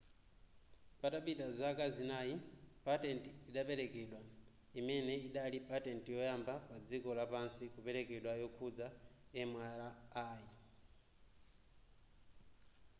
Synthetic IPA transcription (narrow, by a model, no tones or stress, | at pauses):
pataɓitazakazinajipatɛntiːɗapɛɾɛkɛɗwa | imɛnɛiɗalipatɛntijɔjambapad͡zikɔlapansikupɛɾɛkɛɗwajɔkʰud͡zaɛmwaɾaaːji